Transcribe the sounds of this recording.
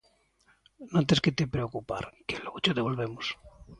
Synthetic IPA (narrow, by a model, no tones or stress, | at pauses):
nõnt̪̬esket̪epɾeokupa̰ɾkeloɣot͡ʃoðeβ̞olβemos